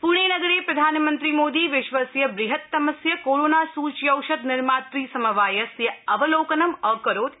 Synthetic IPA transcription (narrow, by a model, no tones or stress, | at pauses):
puɳ̃enəɡəɾepɾɐd̪ʱanmə̃nt̪ɾimod̪iʋɪʃʋəsjəbɾɪɦət̪sɐməsjəkoɾonasuːt͡ʃjəwʃəd̪nɪɾmat̪ɾisɐməʋaːjəsjɐɐʋəloːkənəməkəɾoːt̪